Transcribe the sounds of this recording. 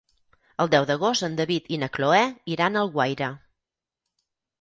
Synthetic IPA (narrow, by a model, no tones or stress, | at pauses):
əlˠd̪ɛwd̪əɣost̪ənd̪əβit̪inəkloɛiɾanəlˠɣwajɾə